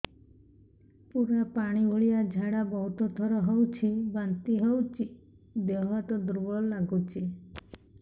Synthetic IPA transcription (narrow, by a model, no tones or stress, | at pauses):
puɾapaɽ̃ioɭijad͡ʒʱaɽabɔɦut̪ɔt̪ɔɾɔɦɔwt͡ʃʰibant̪iɦɔwt͡ʃʰi | d̪ɔɦɔt̪ɔd̪ɾubɔlaɡut͡ʃʰi